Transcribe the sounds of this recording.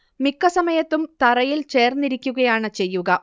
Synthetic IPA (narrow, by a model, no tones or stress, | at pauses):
mikːɐsɐmɐjɐt̪ːumt̪ɐrɐjilt͡ɕe̞ːrnːiɾikʲːuɣɐjaːɳɨt͡ɕe̞jːuɣɐ